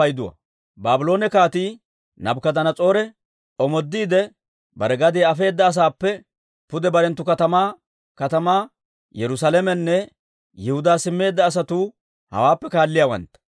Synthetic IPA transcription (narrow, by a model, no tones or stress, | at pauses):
ɐjd̪ʊwɐ̰ | baːbɪlo̞ːnɛkaːt̪iː | nɐbkɐd̪ɐnɐt͡sʼo̞ːɾɛ | ɔmɔd̪ːiːd̪ɛ | bɐ̰ɾɛɡɐd̪eːɐfe̞ːd̪ːɐːs̬aːpːɛ | pʊd̪ɛbɐɾɛnt̪ːʊkɐt̪ɐmaː | kɐt̪ɐmaː | jɛɾʊs̬alɛmɛnːɛ | jɛhʊd̪aːsɪmːe̞ːd̪ːɐːs̬ɐt̪uː | hɐ̰waːpːɛkaːlːɪjawɐ̰nt̪ːɐ̥